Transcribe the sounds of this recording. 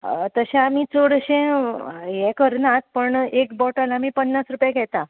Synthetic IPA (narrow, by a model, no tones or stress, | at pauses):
t̪əɕẽamit͡soɽɕɛ̃jɛ̃kəɾnat̪̚pəɳekbɔʈalaamiːpənːasɾupjaɡʱɛt̪a